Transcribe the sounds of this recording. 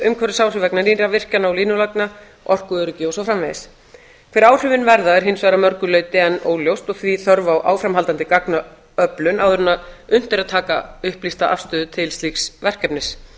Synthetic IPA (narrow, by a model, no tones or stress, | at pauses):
ʏmkʰɛɾɪsaːwr̥ʏvɛknaninɾavɪr̥canaɔwliːnʏlakna | ʔɔr̥kʏœɾʏcɪːowsafɾamvɛjðɪs | kʰfɪɾaːwr̥ʏvɪnvɛɾðaɛɾ̥ɦɪnsvaːɾamœɾkʏlœːɥt̪ɪɛnːo̰ːwljowst̪ɔɣθviθœɾvawʔa̰ːwfɾamɦalt̪ant̪ɪkakna | œplʏnawðʏɾʏnaʏn̥t̪ɪɾaðt̪ʰaːkaʏhplist̪aʔa̰fst̪œːðʏt̪ʰɪlst̪liːksvɛr̥kɛpnɪs